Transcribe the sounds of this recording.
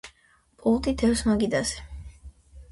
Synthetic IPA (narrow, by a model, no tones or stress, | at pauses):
pʼulˠt̪ʼit̪ʰɛwsmaɡid̪asɛ̥